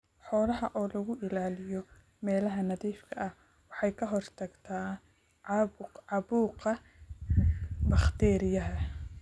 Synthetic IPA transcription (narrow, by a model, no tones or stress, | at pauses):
ħɔːlɐɦɐʔɔːlɐɣʊʔɪlaːlɪjɔ | mɛːlɐɦɐnɐðiːfkʰɐʔɐh | wɑħɑjkʰɐɦɔrt̪ʰɐɡt̪ʰaː | ʕʕɑβuːqɐ | bɑχt̪ʰɛːɾɪjɐɦɐ